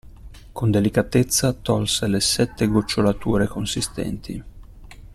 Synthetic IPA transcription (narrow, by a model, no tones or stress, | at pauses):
kond̪elikat̪et̪sːat̪ɔlselesɛt̪ːeɡot͡ʃːolat̪uːɾekonsist̪ɛ̰nt̪i